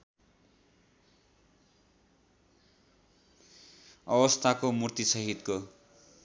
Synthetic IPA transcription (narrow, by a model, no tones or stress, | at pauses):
ʌbʌst̪ʰakomurt̪isʌɦit̪ko